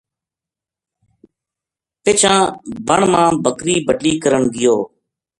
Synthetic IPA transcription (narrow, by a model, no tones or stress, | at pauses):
pɪt͡ʃʰãːbəɳmãːbʱəkɾiːbəʈliːkəɾəɳɡɪjoː